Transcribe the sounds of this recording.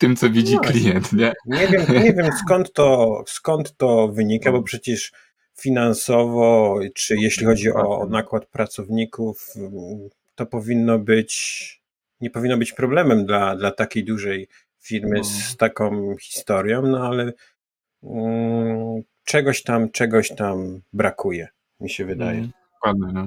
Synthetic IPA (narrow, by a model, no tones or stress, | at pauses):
t̪ɘmt̪sɔvʲid͡ʑiklʲijɛnt̪ɲɛɲɛvʲjɛmɲɛvʲjɛmskɔnt̪ːɔskɔnt̪ːɔvɘɲikabɔpʂɛt͡ɕɛʂ | fʲinansɔvɔt͡ʂɘjeɕlʲixɔd͡ʑiʔɔnakwat̪̚pɾat̪sɔvɲikuf | t̪ɔpɔvʲinːɔbɘt͡ɕ | ɲɛpɔvʲinːɔbɘt͡ɕpɾɔblɛmɛmd̪lad̪lat̪akʲejd̪uʐɛj | fʲiɾmɘst̪akɔ̃w̃xʲi̥st̪ɔɾjɔ̃w̃nɔalɛ | t͡ʂɛɡɔɕt̪amt͡ʂɛɡɔɕt̪ambɾakujɛ | mʲiɕɛvɘd̪a̰jɛ | ad̪